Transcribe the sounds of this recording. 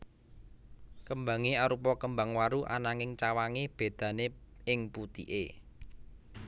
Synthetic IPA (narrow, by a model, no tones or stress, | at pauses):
kəmba̤ŋeaɾupɔkəmbaŋwaɾuʔa̰naŋɪŋt͡ʃawaŋeb̥e̤d̪̥ä̤neɪŋput̪ḭʔe